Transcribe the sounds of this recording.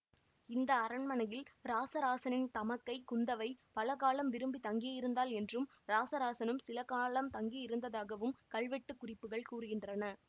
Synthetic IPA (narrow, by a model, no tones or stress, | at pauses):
ɪnd̪ɐːɾɐɳmɐnɐjɪlɾaːsɐɾaːsɐnɪnt̪ɐmɐkːɐɪkʊnd̪ɐʋɐɪpɐlɐɣaːlɐmʋɪɾɯmbit̪ɐŋɡɪjjɪɾɯnd̪aːlɛndrɯmɾaːsɐɾaːsɐnɯmsɪlɐkaːlɐmt̪ɐŋɡiɪɾɯnd̪ɐðaːɣɐʋɯmkɐɭʋɛʈːɯkːʊrɪpːɯɣɐɭkuːrɯɣɪndrɐnɐ